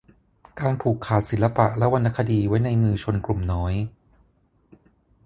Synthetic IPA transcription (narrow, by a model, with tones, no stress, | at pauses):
kaː˧npʰuː˨˩kʰːaː˨˩t̪̚si˨˩˦nla˧pa˨˩ʔlɛ˦˥ʔwa˧nːʔa˦˥˩kʰa˧diː˧wa˦˥jna˧jmɯː˧t͡ɕʰo˧nklu˨˩mnɔː˦˥j